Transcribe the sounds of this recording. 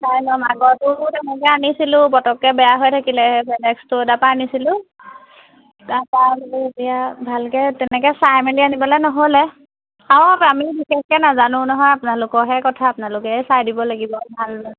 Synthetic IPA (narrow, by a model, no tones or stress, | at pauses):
sajlɔmaɡɔtʊtɛnɛkɛanisilʊ̃pɔtɔkːɛbɛjaɦojtʰakilɛɛpʰɛnɛkstʊdapaːnisilʊ | dapabeetijabʱalkɛtɛnɛkɛsajmɛnianibɔlajnɔɦolɛ | ãpamibisɛskɛnazanʊ̃nɔɦɔjapʊnalʊkɔɦɛkɔtʰaːpʊnalʊkɛsajdibɔlaɡibɔbʱal